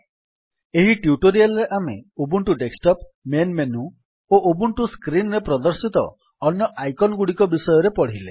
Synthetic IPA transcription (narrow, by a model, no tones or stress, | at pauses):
eɦiʈjuʈoɾialɔɾeʔameobuɳʈuɖeksʈɔp̚menmenu | oʔobuɳʈuskɾinɾepɾɔd̪ɔɾsit̪ɔ̰ː | njɔʔajkɔnɔɡuɽikɔbisɔjɔɾepɔɽ̤ile